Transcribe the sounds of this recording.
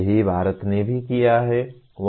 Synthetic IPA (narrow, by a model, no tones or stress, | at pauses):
ɦibʱaːɾət̪nebʱikijaɦɛ | ʋ